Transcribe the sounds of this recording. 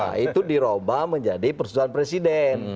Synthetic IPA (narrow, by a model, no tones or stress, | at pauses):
a̰it̪udiɾobaməɲd͡ʒadipərsusuanpɾesidɛn